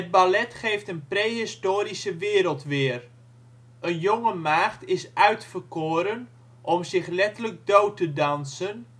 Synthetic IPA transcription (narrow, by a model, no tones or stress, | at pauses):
ɦəd̚balɛtχejftənprejɦɪstoːɾisəʋɪːɾəlˠtʋɪːr | ənjoŋəmaːχtɪsœɥtfərkoːɾən | ʔɔmsɪχlɛtələɡ̚dowtədɑnsən